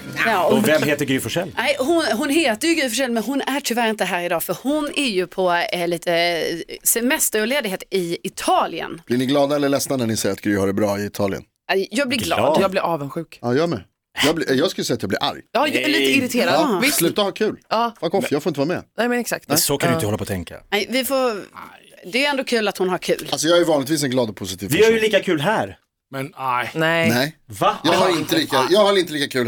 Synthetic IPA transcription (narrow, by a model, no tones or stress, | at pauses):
ɑːɔvɛmheːt̪əɾɡɾyːfɔʂɛlːnɛɪɦʊnɦʊnheːt̪əɾjɵɡɾyːfɔʂɛlːmɛnɦʊnæʈʰʏvæːɾɪnt̪əɦæːɾɪd̪ɑːfœɾhʊnæɾjɵpʰɔliːt̪ʰə | sɛmɛst̪əɾɔleːd̪ɪɡheːt̪ɪɪt̪ʰɑːlɪə̰nblɪɳɪɡlɑːd̪aɛlːəɭɛsnanæɳɪsɛjəɾat̪̚ɡɾyːhaɾɛbɾɑːɪɪt̪ʰɑːlɪ̰ə̰n | jɑːɡ̚b̪lɪl̰ːd̪jɑːɡblɪɾɑːvənɧʉ̟ːkɑjœːmɛ̰ | jɑːblɪjɑːɡskɵləsɛjat̪jɑːblɪ̰ɾʔa̰ɾjjɑhaliːt̪əɪɾɪt̪ʰeːɾaɑvɪsslʉ̟ːt̪ahaɾkʰʉ̟ːlɑːfakːɔfjɑɡfoɪnəvːamɛ̰nɛmɛnɛksa̰k̚t̪ɛsɔkʰanɪəhɔlːapʰɔt̪ʰɛŋka̰ɛvɪfo | d̪ɛjɛnd̪oːkʰʉ̟ːlat̪hʊnhaɾkʰʉ̟ːlalsɔjɑːhaæjʏvɑːnlɪt̪viːs̬ɛnɡlɑːd̪ɔpʰʊsɪt̪ʰiːvvɪœɾjəliːkakʰʉ̟ːlɦæɾ | mɛnnɛnnɛjvajɑːɡhaɾɪnt̪əliːkajɑːɡhaɾɪnt̪əliːkakʰʉ̟ːl